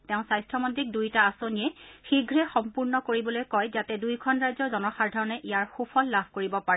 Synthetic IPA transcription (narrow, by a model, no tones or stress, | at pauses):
tɛʊ̃sajstɹɔmɔntɹik̚dujtaːsoniɛxiɡʱɹɛxɔmpuɹnɔkoɹibɔlojkɔjzatɛdujkʰɔnɹajzɔɹzɔnɔxaɹdʱaɹɔnɛʔijaɹxupʰɔlːabʱkoɹibɔpaɹɛ